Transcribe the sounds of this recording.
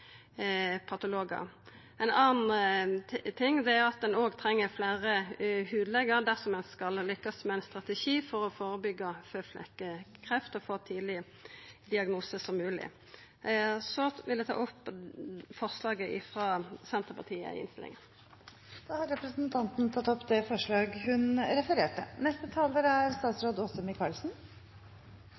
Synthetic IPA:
pʰɑt̪ʊloːɡə̰ | ɛnɑːnn̩ | t̪ʰɪŋːd̪ɛæɾʊɑt̪̚d̪ɛnoːɡt̪ʰɾɛŋːəɾfleːʁəhʉːd̪əlɛɡəɾd̪æsɔmɛnskɑllʏkːəsmɛæɪnst̪ʁɑt̪ɛʃiːfɔɾɔfoːɾəbʏɡːɑføːflɛ̰kːəkʰʁɛft̪ɔfoːt̪ʰiːd̪lɪ | d̪ɪɑɡnuːsəsɔmːʉːlɪ̰ | sɔʋɪld̪ɛt̪ʰɑ̰ːʔɔpːfɔʁslɑːɡəʔɪfʁɑːsɛnt̪əpɑʁt̪ʰiːə̰ɪ̰nst̪ɪlɪ̰ŋən | d̪̥ɑːhɑɾɾɛpɾəsn̩t̪ʰɑnt̪n̩t̪ʰɑt̪ːɔpd̪ɛfɔʂɭɑːɡhʉnɾɛfəɾeːʈə̰nɛst̪ət̪ʰɑːləɾæɾst̪ɑːt̪sɾoːd̪oːsəmɪkʰɑlsn̩

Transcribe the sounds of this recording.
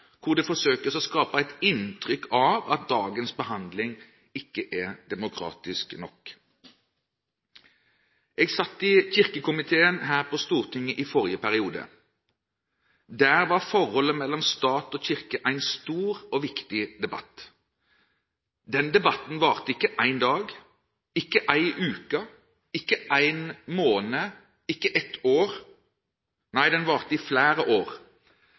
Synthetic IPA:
kʰʊʁd̪ɛfɔsøːkəsɔskɑːpəæɪt̪ɪnt̪ʰʁʏkʰːɑʋɑ̰t̪̚d̪ɑːɡənsbəhɑnd̪lɪŋ | ɪkːəʔɛd̪ɛmʊkʰʁɑ̰ːt̪ɪsknɔk | eːɡsɑt̪ːɪçɪʁkəkʊmɪt̪ʰeːənɦæːʁpʰɔst̪uːʁt̪ʰɪŋːəʔɪfɔʁjəpʰæʁɪuːd̪ə̰ | d̪æːɾʋɑʁfɔʁhɔlːəmɛlːɔmst̪ɑːt̪oːçɪʁkəʔæɪnst̪uːɾɔʋɪkt̪ɪd̪ɛbɑ̰t̪ː | d̪ɛnd̪ɛbɑt̪n̩ʋɑːʁt̪əɪkːəʔæɪnd̪ɑːɡ | ɪkːəʔæɪʔʉːkɑ | ɪkːəʔæɪnmoːnə | ɪkːəʔɛt̪ʰoːʁ | næɪd̪ɛnʋɑːʁt̪əɪflæːɾəʔoːʁ

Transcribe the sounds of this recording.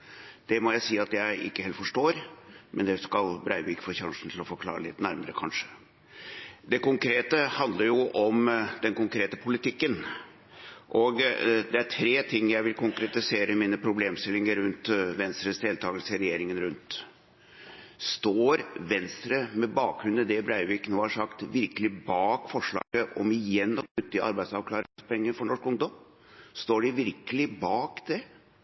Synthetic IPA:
d̪̥ɛmɔjæɪsiːɑt̪jæɪʔɪ̰kːəheːlt̪fɔʂʈoːɾmʔɛ̰nd̪ɛskɑlbɾæɪbɪːkfɔçɑŋʂn̩t̪ʰɪlɔfɔɾkʰlɑ̰ːɾə̰lɪ̰t̪næɾməɾəkʰɑnʂə̥ | d̪ɛkʊŋkʰɾeːt̪əhɑnd̪ləɾjʊʔɔmd̪ɛnkʊŋkʰɾeːt̪əpʰʊlɪt̪ʰɪkːən | ʔɔɡd̪ɛæɾʈʰɾeːt̪ʰɪŋːjæɪʋɪlkʰʊŋkɾɛt̪ɪseːɾəmiːnəpʰɾʊbleːmst̪ɪlːɪŋəɾɾʉnt̪ʋɛnst̪ɾəsd̪eːlt̪ʰɑːɡəlsəɾɛjeːɾɪŋənɾʉnt̪ | st̪oːɾʋɛnst̪ɾəmɛbɑːkɾʉnəd̪ɛbɾæɪʋiknoːhɑʂɑkt̪ʋɪɾkəlɪbɑːkfɔʂɭɑ̰ːɡəʔɔ̰mɪjɛnːɔknʉt̪ːəʔɑ̰ɾbæɪsɑʋkʰlɑːɾɪŋspʰɔɛŋːəfɔɳɔʂkʊŋd̪ɔm | st̪oːɖɪʋɪɾkəlɪbɑːkd̪̥ɛ

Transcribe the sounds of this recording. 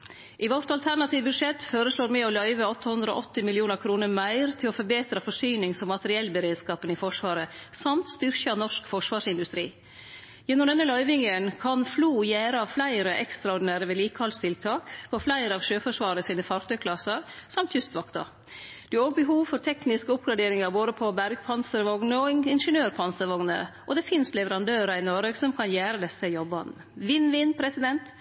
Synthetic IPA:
ʔɪʋɔɾt̪ɑlt̪ʰæɾnɑt̪ʰiːʋbʉd̪ʂɛt̪ːføːɾəsloːɾmɛɔlœʏʋəɔt̪ʰːəhʉnd̪ɾəo̰ʔɔt̪ːɪmɪlɪuːnəɾkʰɾuːnəɾmæɪɾt̪ʰɪlɔfœɾbeːt̪ɾɑfɔʂyːnɪŋsɔmːɑt̪əɾɪɛlːbəɾeːd̪skɑːpənɪfɔʂʋɑːɾəsɑmt̪st̪ʏɾçɑnɔʂkfɔʂʋɑːɾʂɪnd̪ʉst̪ɾḭː | jɛnːʊmd̪ɛnːəlœʏʋɪŋənkʰɑnfluːjæːɾəɑʋflæɪɾəʔɛkst̪ɾɑɔɖɪnæːɾəʋeːliːkəhɑlst̪ʰɪlt̪ʰɑːkpʰɔflæɪɾəɑʋʃøːfɔʂʋɑːɾəsiːnəfɑɾt̪ʰœʏkʰlɑsəɾsɑmt̪jʉst̪ʋɑkt̪ɑ̰ | d̪̥ʉæɾoːɡ̚bəɦuːʋfɔɾʈ̪ʰɛknɪskəʊpɡɾɑɖ̪eːɾɪŋɑɾboːd̪əpʰɔbæɾɡpʰɑnsəɾʋɔŋnəɔɪnʂənøːɾpʰɑnsəɾʋɔŋnə̰ʔɔd̪ɛfɪnslɛʋəɾɑnd̪øːɾəɪnɔɾeɡsɔmkʰɑnjæːɾəd̪ɛsːəjɔbɑn | ʋɪnʋɪnpʰɾɛsɪd̪ɛnt̪

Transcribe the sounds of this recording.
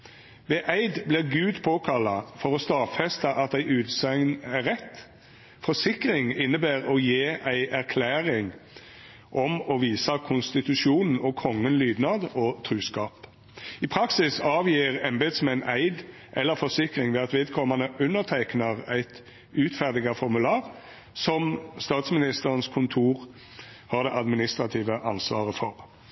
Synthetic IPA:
ʋɛʔæɪd̪blɪʁɡʉːd̪pʰoːkʰɑlːɑfɔʁɔst̪ɑːfɛst̪ɑʔɑt̪æɪʔʉːt̪sɛŋnæʁɛt̪ː | fɔsɪkʁɪŋɪnːəbæːʁɔjeːʔæɪʔæʁkʰlæːʁɪŋ | ʔɔmɔʋiːsɑkʰʊnst̪ɪt̪ʉʃuːnn̩ɔkʰɔŋːənlyːd̪nɑd̪ɔt̪ʰʁʉːskɑːp | ɪpʰɾɑksɪsɑːʋjiːʁɛnbeːt̪smæɪnʔæɪd̪ | ʔɛlːəɾfɔsɪkʁɪŋʋɛːɑt̪ʋeːd̪kʰɔmːɑnəʔʉnːəʁt̪ʰæɪknəʁæɪt̪ | ʉːt̪fæʁd̪ɪɡɑfɔʁmʉlɑːʁ | sɔmst̪ɑːt̪smɪnɪst̪əʁənskʰʊnt̪ʰuːʁ | hɑːʁd̪ɛʔɑd̪mɪnɪst̪ʁɑt̪ʰiːʋəʔɑnsʋɑ̰ːʁəfɔʁ

